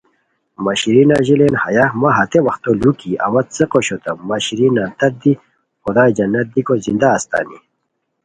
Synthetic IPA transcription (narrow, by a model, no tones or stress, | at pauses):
mɐɕɾinaʑilenhɐjamaɦɐt̪ewɐxt̪olukiɐ̰wɐt̪̚t͡seqoɕot̪ɐmɐɕɾinat̪ɐt̪̚d̪i | xud̪aːjd͡ʑɐnːɐt̪̚d̪ikozind̪aːst̪a̰ːni